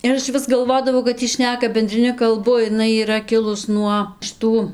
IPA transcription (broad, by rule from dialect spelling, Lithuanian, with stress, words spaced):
ɪr ˈɐʃ ʋʲɪs ɡɐlˠˈʋoːdɐʋɐʊ kɐt ˈiː ˈʃʲnʲæːkɐ bʲɛnʲdʲrʲɪˈnʲɪ kɐlˠˈbʊ ɪˈnɐɪ iːˈrɐ ˈkʲɪlˠʊs nuɔ ʃʲɪˈtuː